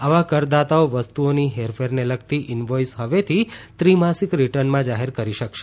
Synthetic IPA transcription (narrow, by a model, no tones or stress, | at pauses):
aʋakəɾd̪at̪aoʋəst̪uoniɦeɾfeɾneləɡt̪iʔɪnʋojsɦəʋet̪ʰit̪ɾimasikɾiʈəɾnmãd͡ʒaɦeɾkəɾiʃəkʃe̥